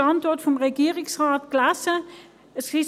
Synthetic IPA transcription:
ɑntɔtfɔmʁeɡiːʁɪsʁaːtɡ̥lasə | əsɡi

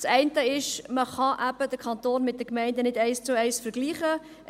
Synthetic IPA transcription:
sɛɪntəɪʃməχɑʔæb̥əd̥əɾkʰɑntoːnmɪt̚d̥̪əkmɛɪndənɪdæɪst͡sʊɛɪsfəɾɡliːχə

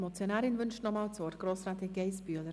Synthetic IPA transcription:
mɔt͡sjonaːɾɪnvʏnʃtnɔmaːlt͡svɔːrtɡ̥roːsɾaːt̪ɪɡeɪsbyələ

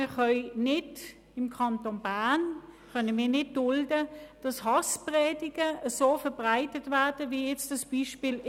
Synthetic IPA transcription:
χœʏnɪd | ɪmkʰɑntonbankœnəmiːɐnɪt̚d̥ʊldəd̥ɑshɑspʁɛːdɪɡ̥əəsoːfɛɐb̥ʁaɪtətvæɐd̥əvijɛt͡sd̥ɑsb̥iʃpiːl

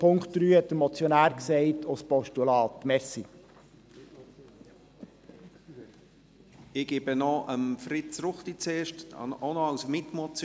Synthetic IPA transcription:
pʰʊŋkχtd̥̪ɾyːhɛt̚d̥̪əɾmɔt͡sjɔnæːɾksɛɪtʰospɔʃtulɑːtːmɛsi | ɪɡ̥ebənɔʔəmfɾɪtt͡sɾʊχtit͡seːʃtonɔasmɪtmɔt͡s

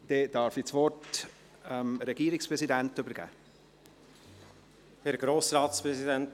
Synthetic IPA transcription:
d̥ɛd̥ɑːɾfit͡sʋɔrt | ɛmɾɛɡ̥iːɾɪkspɾɛsidæntʏbəɾɡ̥æ̰ː | hɛɾɡɾoːsɾɑːtspɾɛzidɛnt

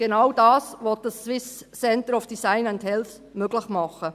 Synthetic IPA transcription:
ɡ̥enɑwdɑːsʋɔt̚d̥ɑsːwɪsː | ɛntəɾɔfd̥isaɪnɛnthɛls | møɡləχmɑχə

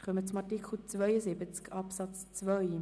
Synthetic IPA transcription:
χœmət͡sʊmɑɹtikχl̩t͡svœʏjəsɪbət͡skɑpsɑt͡st͡svœj

